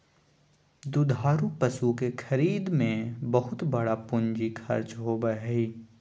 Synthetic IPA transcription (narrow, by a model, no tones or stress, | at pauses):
d̪ʊd̪ʱaːɾupɐsukekʰɐɾiːd̪mẽbɐɦʊt̪bɐɽapʊnd͡ʒikʰɐ̰ɾt͡ʃɦobəɦiː